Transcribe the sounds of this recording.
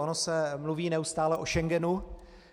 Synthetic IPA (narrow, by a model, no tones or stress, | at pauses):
onosɛmluviːnɛust̪aːlɛʔo̞ʃɛŋɡɛnu